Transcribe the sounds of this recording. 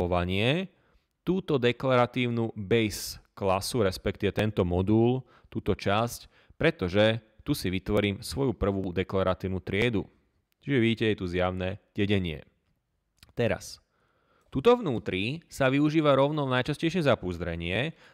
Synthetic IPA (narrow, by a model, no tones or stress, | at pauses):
ɔʋaɲɪɛ | t̪uːt̪ɔd̪ɛklaɾat̪iːʊnubɛjsklasuɾɛspɛk̚t̪iːʋɛt̪ɛnt̪ɔmɔd̪ul | t̪uːt̪ɔt͡ʃasc | pɾɛt̪ɔʒɛ | t̪usiʋit̪ʋɔɾiːmsʋɔjupr̩ʋuːd̪ɛklaɾat̪iːʊnut̪ɾɪɛd̪ṵ | t͡ʃiʒɛʋiɟiːcɛɛt̪uzjaʊnɛɟ̥ɛɟɛɲɪɛ̰ | t̪ɛɾa̰s | t̪uːt̪ɔvnuːt̪ɾisaʋiuʒiːʋaɾɔʊnɔnajt͡ʃascɛjʃɪɛzapuzd̪ɾɛɲɪɛ